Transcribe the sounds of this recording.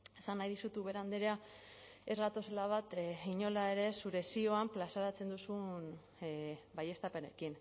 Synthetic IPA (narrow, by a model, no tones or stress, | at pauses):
esanːajðisut̪uβe̞ɾand̪eɾea | e̞zɣat̪o̞slaβ̞at̪iɲo̞lae̞ɾe̞suɾe̞sio̞amplasaɾat͡se̞nd̪usun | baje̞st̪ape̞ne̞kin